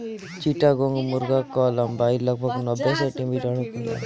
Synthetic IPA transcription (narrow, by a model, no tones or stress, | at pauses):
t͡ʃiʈaɡoŋɡmuɾɡakɔlambajləɡ̚bʱɔɡnɔbːesəʈimiʈəɽkula̰